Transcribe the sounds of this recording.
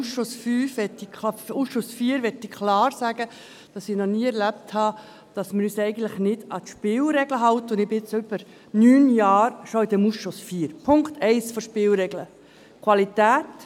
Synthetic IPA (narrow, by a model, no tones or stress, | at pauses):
usʃosfyːfʋɛtːiusʃʊsfiːɾʋɛtːɪkʰlɑːɾsæːɡ̥ə | d̥ɑsɪnɔniːəɛɾlæp̚thɑ | d̥ɑsməɾyːsɛɪɡən̩tləχnɪd̥ɑt̪ʃpɪlɾɛɡləɦɑwtəʊndɪbɪɪt͡sʏb̥əɾ | nyːnjɑːɾʃoid̥̪ɛmusʃosfiːəɾpʰʊŋktʰɛɪsfɔʃpɪːlɾɛɡlə | kʰwʋɑlit̪æːt